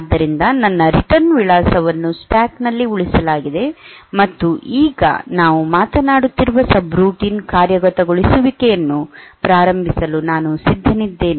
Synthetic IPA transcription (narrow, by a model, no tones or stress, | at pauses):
d̪ːɐɾind̪ɐnɐnːɐɾiʈɐnʋiɭaːsɐʋɐnːuspaːknɐlːiuɭisɐlaːɡid̪e̞mɐt̪ːuʔiːɡɐ̰naːʋumaːt̪ɐnaːɽut̪ːiɾuʋɐsɐbɾuːʈiːnkaːɾjɐɡɐt̪ɐɡoɭisuʋikejɐnːupɾaːɾɐmbʱisɐlunaːnusid̪ʱːɐnid̪ːe̞ːni